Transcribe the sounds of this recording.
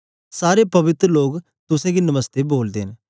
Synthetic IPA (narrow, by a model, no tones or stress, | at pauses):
saːɾeːpəʋɪt̪ɾəloːɡ | t̪ʊsẽːɡinəməst̪eːboːld̪ẽːn